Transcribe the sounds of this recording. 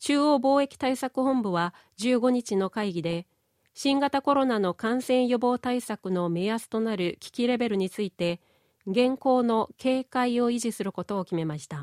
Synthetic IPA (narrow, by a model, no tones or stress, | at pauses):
t͡ɕɨːoːbo̞ːe̞kʲi̥t̪aisakɯ̟ɦõ̞mbɯ̟βa | d͡ʑɨːɡo̞ɲ̟it͡ɕino̞kaiɡʲid̪e̞ | ɕĩŋɡat̪ako̞ɾo̞nano̞kãɰ̃sẽ̞ɰ̃jo̞bo̞ːt̪aisakɯ̟no̞measɨ̥t̪o̞naɾɯ̟kʲi̥kʲiɾe̞be̞ɾɯ̟ɲ̟it͡sɨit̪e̞ | ɡẽ̞ŋko̞ːno̞kʰe̞ːkaio̞iʑisɨɾɯ̟ko̞t̪o̞ːkʲime̞maɕi̥t̪a